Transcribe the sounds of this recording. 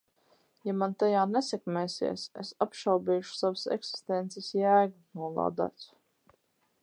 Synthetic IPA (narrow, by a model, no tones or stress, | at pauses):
jamant̪ajaːnɛsɛkmɛːsḭɛsesapʃalbiːʃu̥savasɛ̰ksi̥st̪ɛnt̪sɛsjæːɡunuɔlˠa̰ːd̪a̰ːt̪s